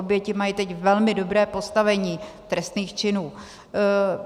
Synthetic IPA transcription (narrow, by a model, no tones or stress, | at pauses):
objɛcɪmajit̪ɛcvɛlmɪdo̞bɾɛːpo̞st̪avɛɲiːt̪ɾɛst̪niːxt͡ʃɪnuː